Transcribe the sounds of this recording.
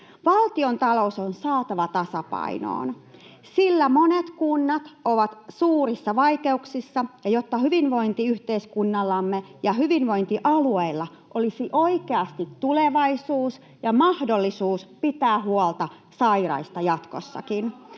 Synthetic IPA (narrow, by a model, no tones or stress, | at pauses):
ʋɑlt̪io̞nt̪ɑlo̞sonsɑːt̪ɑʋɑt̪ɑsɑpɑ̰ḭno̰ːn | silːæmo̞net̪kunːɑt̪oʋɑt̪suːrisːɑʋɑike̞uksisːɑjɑjo̞t̪ːɑɦyʋinʋo̞int̪iyht̪e̞iskunːɑlːɑmːejɑɦyʋinʋo̞int̪iʔɑlueilːɑ | ʔolisiʔo̞ike̞ɑst̪it̪tːule̞ʋɑisuːs | jɑmɑhdo̞lːisuːspit̪æːɦuolt̪ɑ | sɑiɾɑ̰ist̪ɑjɑt̪ko̞̰sːɑ̰kin